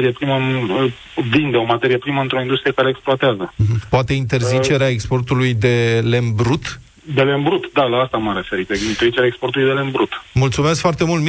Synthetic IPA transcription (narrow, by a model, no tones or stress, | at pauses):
ɾiepɾimən | vind̪eo̞mat̪e̞ɾijepɾiməɨnt̪ɾo̞ind̪ust̪ɾije̞kaɾe̞ːkspluoat̪eazəm̩poat̪e̞int̪e̞rzit͡ʃe̞ɾeaekspo̞rt̪ulujd̪e̞lembɾut̪ | d̪e̞lembɾut̪d̪alaːst̪amaɾe̞fe̞ɾit̪eint̪eɾzit͡ʃeɾeaekspo̞rt̪ulujd̪elembɾut̪mult̪sumeskfoart̪e̞mult̪m